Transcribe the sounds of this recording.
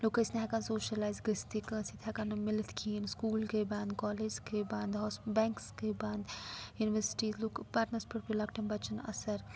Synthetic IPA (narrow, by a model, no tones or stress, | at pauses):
loːkəsneɦɛkɐnsoːʃɐlaːjzɡəst̪ikɐ̃ːsit̪ʰɦɐkɐnmɪlət̪kʰiːnskuːlkebãːnd̪kɔːleːd͡ʒkebãːnd̪ɦɔːsbɛ̃ːŋkskebaːnd̪juːniʋəɾsʈiːzloːkpaːɾʈnɐɾspɐʈpilɐkʈɐnbɐt͡ʃənɐ̰sɐɾ